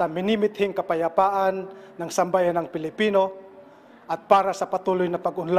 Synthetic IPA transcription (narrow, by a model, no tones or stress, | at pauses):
sɐmɪnimɪt̪hɪŋkɐpajapaʔanːaŋsambajanaŋpɪlɪpino | ʔɐt̪̚paːɾasɐpat̪ulʊjnɐpaɡʊnla